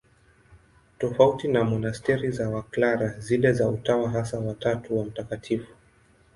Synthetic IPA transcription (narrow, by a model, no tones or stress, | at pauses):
tɔfautinamɔnastɛɾizawaklaɾazilɛzautawaɦasawatatuwam̩takatʰifu̥